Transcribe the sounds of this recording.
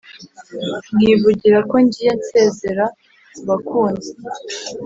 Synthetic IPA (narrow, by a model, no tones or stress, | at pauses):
ŋɡiβuɟiɾako̞ɲɟiːje̞nse̞ːze̞ɾa | uβakuːnze